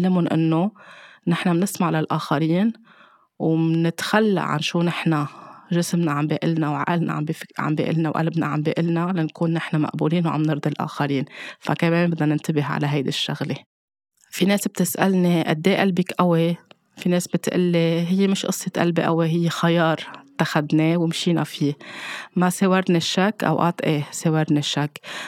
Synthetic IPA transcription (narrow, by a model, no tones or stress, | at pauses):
alːamʊnʔɪ̰nːonɪħnamnɪsmaʕlalʔaːxaɾiːn | wmnɪt̪xalːa̰ʕa̰nʃuːnɪħnaʒɪsmnaʕambiʔɪlnawʕa̰ʔalna̰ʕa̰mbiʕa̰mbḭːʔɪ̰lnawʔa̰lbna̰ʕa̰mbiːʔɪlnalankuːnːɪħnama̰ʔbuːliːnwʕa̰mnɨɾd̪ˤilʔa̰ːxaɾiːnfa̰kameːmbɪd̪anɪnt̪ɪbɪɦʕa̰laɦajd̪ɪʃːa̰ɣle | fineːsb̚t̪ɪsʔa̰lneʔa̰d̪ːeːʔalbikʔawe | fineːsbɪt̪ʔɪ̰lːeɦɪjːemɪʃʔɨ̰sˤːet̪ʔa̰lbiʔa̰weɦɪjːexajɑːɾˤt̪ːaxad̪newɪmʃiːna̰fiːmaseːwaɾnaʃːakːʔa̰wʔa̰ːt̪ˤʔeːseːwɑɾnaʃːakː